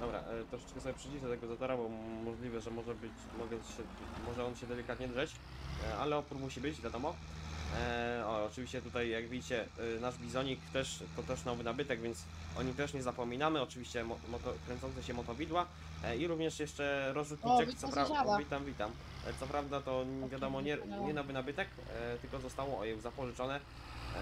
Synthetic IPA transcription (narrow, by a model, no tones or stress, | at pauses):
d̪ɔbɾa̰t̪ɾɔʂɛ̥t͡ʂkɛsɔbʲɛpʂɨd͡ʑid̪ɛt̪ɛɡɔzɔt̪ɔɾabɔmɔʐlʲivɛʐɛmɔʐɛbɘt͡ɕ | mɔɡɛɕɛ | mɔʐɛɔnɕɛd̪ɛlʲikat̪̚ɲɛd̪ʐɛt͡ɕ | a̰lɛɔpuɾmuɕibɘt͡ɕvʲjad̪ɔmɔ | ɔɔt͡ʂɨvʲiɕt͡ɕɛt̪ut̪ajjaɡvʲied͡ʑit͡ɕɛnaʐbʲizɔɲikt̪ɛʂkɔt̪ɛʂnɔvɘnabɘt̪ɛɡvʲjɛnt̪s | ʔɔ̰ɲimt̪ɛʂɲɛzapɔmʲinamɘɔt͡ʂɘvʲiɕt͡ɕɛmɔmɔt̪ɔkɾɛnsɔntsɛɕɛmɔt̪ɔbʲid̪wa | iɾuvɲɛʂjɛʂt͡ʂɛɾɔzut̪nuakt̪sɔɾavʲit̪amvʲit̪am | t̪sɔpɾavd̪at̪ɔvʲjad̪ɔmɔɲɛɲɛnavɘnabɘt̪ɛk | t̪ɘlkɔzɔst̪awɔɔjɛwzapɔʐɘt͡ʂɔnɛ